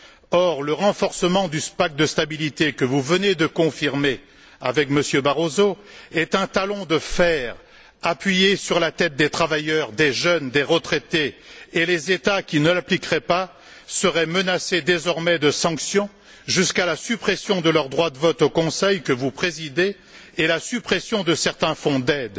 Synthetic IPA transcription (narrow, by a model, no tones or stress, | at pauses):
ɔʁləʁɑ̃fɔʁsəmɑ̃d̪yspak̚d̪əst̪abilit̪ekəvuvəned̪əkɔ̃fiʁme | avɛkməsjøbaʁozoɛt̪ɛ̃t̪alɔ̃d̪əfɛːʁ | apɥijesyʁlat̪ɛt̪̚d̪et̪χavajœʁd̪eʒœnd̪eʁət̪χɛt̪eːlezet̪akʲinəlaplikʁɛpa | səʁɛmənased̪ezɔʁmɛd̪əsɑ̃ksjɔ̃ | ʒyskalasypχɛsjɔ̃d̪əlœʁd̪ʁwad̪əvɔt̪okɔ̃sɛjkəvupχezid̪eː | lasypχɛsjɔ̃d̪əsɛʁt̪ɛ̃fɔ̃d̪ɛd̪